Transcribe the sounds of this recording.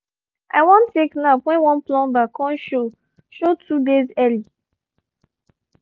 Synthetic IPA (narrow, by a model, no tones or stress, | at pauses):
ʔa̰wɔ̃nteknapwɛ̃nwɔ̃nplɔ̃mbakʰɔ̃nʃo | ʃotʰudezɛli